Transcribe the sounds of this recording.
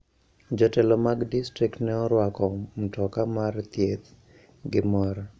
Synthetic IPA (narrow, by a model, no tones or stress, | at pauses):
d͡ʒɔtɛlɔmaɡdistɾiktnɛɔɾwakɔm̩tɔkamart̪jet̪ | ɡɪmɔɾ